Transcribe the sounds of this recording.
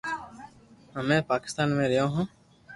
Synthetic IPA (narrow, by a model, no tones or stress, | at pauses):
ɦəmẽːpaːkɪ̥st̪aːnmẽːɾɪjõːɦõː